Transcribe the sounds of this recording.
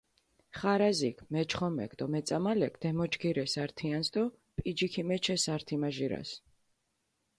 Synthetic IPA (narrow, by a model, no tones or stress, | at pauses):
χaɾazikʰmɛt͡ʃʰχɔmɛ̰k̚ʰd̪ɔmɛt̪sʼamalɛkʰd̪̥ɛmɔt͡ʃɡiɾɛsaɾt̪ʰiansd̪ɔ | pʼid͡ʒikʰimɛt͡ʃʰɛsaɾt̪ʰimaʒiɾa̰s